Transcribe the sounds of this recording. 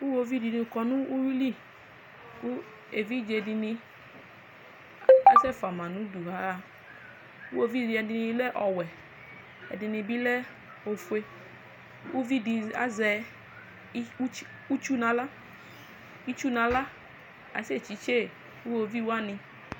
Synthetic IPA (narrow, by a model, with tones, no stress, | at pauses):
u˦wo˧vi˦di˧nĩ˧˨kɔ˧nũ˦u˦wi˦li˦˨ | ku˦ | e˨vi˦d͡ʒe˧di˧nĩ˧ | a˦sɛ˦˨fa˨mã˨nũ˨˦du˨ɦa˨˦a˨ | u˦wo˧vi˦˨di˧ɛ˨di˧nĩ˧lɛ˦ʔɔ˨wɛ˨ | ɛ̰˨di˨˧nĩ˧bi˦lɛ˦ | o˨fu˦e˧ | u˦vi˦di˧a̰˦zɛ˧˦ | u˦t͡ʃu˦nã˨˦la˦ | i˦t͡ʃu˦nã˨la˦ | a̰˨˦se˦˨t͡ʃi˨˦t͡ʃe˦˨ | u˦wo˧vi˦wa˦nɪ̃˧